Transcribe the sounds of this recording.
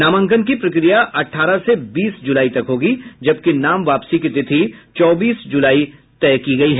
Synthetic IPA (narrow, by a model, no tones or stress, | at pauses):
naːmə̃ŋkənk̬ipɾɐkɾijaʔɐʈʰːaːɾasebiːsd͡ʒʊlaːit̪ɐkɦoːɡid͡ʒɐb̚kenaːmʋaːpsikit̪ɪt̪ʰit͡ʃɔːbiːsd͡ʒʊlaːit̪ɛːkiɡɐiɦɛː